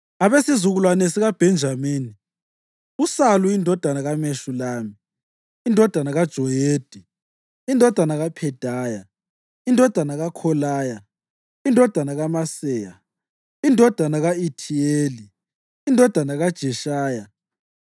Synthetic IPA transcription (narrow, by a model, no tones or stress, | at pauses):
aβesizuɣulwanesiɣab̥ʱɛnd͡ʒʱamiːni | usaluindʱɔd̥ʱanaɣameʃulaːmiː | ndʱɔd̥ʱanaɣad̥ʒ̥ʱɔjeːd̥ʱi | indʱɔd̥ʱanaɣapʰɛd̥ʱaːja | indʱɔd̥ʱanaɣakʰɔlaːja | indʱɔd̥ʱanaɣamasɛːja̰ | indʱɔd̥ʱanaɣaitʰieːli | indʱɔd̥ʱanaɣad̥ʒ̥ʱɛʃaːja